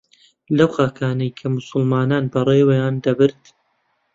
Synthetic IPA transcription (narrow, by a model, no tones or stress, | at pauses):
lɐwxaːkʰaːnɐjkʰɐmʊsʊlmaːnaːnbɐrˤeːwɐjaːnd̪ɐbɨɾt̪